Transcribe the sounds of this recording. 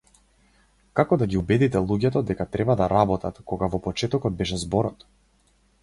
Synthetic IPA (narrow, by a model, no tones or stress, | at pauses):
kakɔd̪aɡʲiubɛd̪it̪ɛlˠuɟɛt̪ɔd̪ɛkat̪ɾɛbad̪aɾabɔt̪at̪kɔɡavɔpɔt͡ʃɛt̪ɔkɔd̪̚bɛʃɛzbɔɾɔt̪